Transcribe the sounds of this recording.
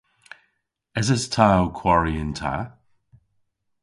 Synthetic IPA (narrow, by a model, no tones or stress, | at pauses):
ɪzəstʰawkʰw̥aɹiɪntʰa̰